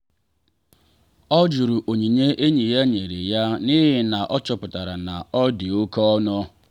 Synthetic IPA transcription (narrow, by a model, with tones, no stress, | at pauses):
ɔ˦d͡ʒu˨ɾu˨ʔo˨ɲi˨ɲe˦ʔe˦ɲi˨ja˦ɲe˨ɾḛ˨ja˦ni˦ɦɪ˦na˨ʔɔ˦t͡ʃɔ˨pʊ˨ta˨ɾa˨na˨ɔ˦dɪ˨o˦kɔ˦nʊ˦